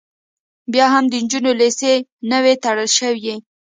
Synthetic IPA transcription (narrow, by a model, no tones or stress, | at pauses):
bjɑɦamd̪ənd͡ʒunolesenəwet̪aɽəlʃəwji